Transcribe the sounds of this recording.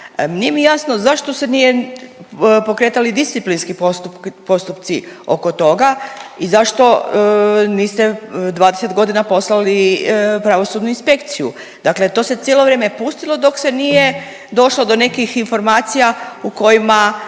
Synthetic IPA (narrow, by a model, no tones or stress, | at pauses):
mnijemijasnozaʃt̪o̞se̞nije | po̞kɾe̞ːt̪alid̪ist̪iplinskipost̪upo̞st̪upt̪sio̞̰ko̞t̪o̞ɡaizaʃt̪o̞ | niːst̪ed̪ʋaːd̪eset̪ɡo̞d̪inapo̞slalipɾaʋo̞suːd̪nuinspe̞kt̪sijṵ | d̪̥akle̞t̪o̞ːse̞t̪jelˠo̞ʋɾe̞ːme̞pust̪ilˠo̞d̪o̞kse̞nije̞ | d̪o̞ʃlod̪o̞ne̞kixinfo̞ɾmaːt̪sijauko̞jima